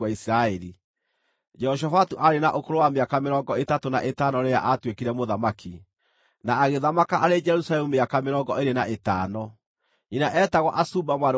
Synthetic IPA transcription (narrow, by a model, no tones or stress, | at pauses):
aisɾaɛɾi | d͡ʒɛhɔʃ̬afatuʔaɾenaʔokoɾowameakameɾɔːŋɡɔetatona̰ʔetaːnɔɾeja̰ʔatwekiɾɛmoðamakʰi | naːɣeðamakaʔaɾed͡ʒɛɾusalɛmumeakameɾɔːŋɡɔeɾenaʔetaːnɔ | inaʔɛtaɣwɔʔasuːbamwaɾ